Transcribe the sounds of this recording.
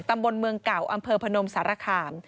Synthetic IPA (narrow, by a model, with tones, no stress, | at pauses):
t̪a˧mbo˧nmɯ˧əŋka˨˩wʔa˧mpʰɤː˧pʰa˧no˧msaː˩˦ɾaː˧kʰaː˧m